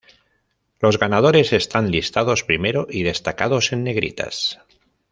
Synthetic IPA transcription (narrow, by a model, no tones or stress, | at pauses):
lo̞zɣanað̞oɾe̞se̞st̪anlist̪að̞o̞spɾimeɾoʔið̞e̞st̪akað̞o̞se̞nːe̞ɣ̞ɾḭt̪a̰s